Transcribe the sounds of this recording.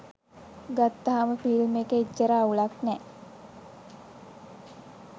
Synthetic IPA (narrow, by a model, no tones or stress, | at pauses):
ɡat̪ːaɦaməfilmekeit͡ʃːəɾaːuɭaknɛ